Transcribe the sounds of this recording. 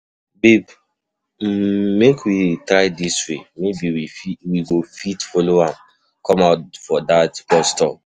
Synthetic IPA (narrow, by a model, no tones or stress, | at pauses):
bib | mːekʰwitɹaɪdiswemebiwiiwiɡofitfɔloãm | kɔ̃maʊtfɔdatpɔstɔ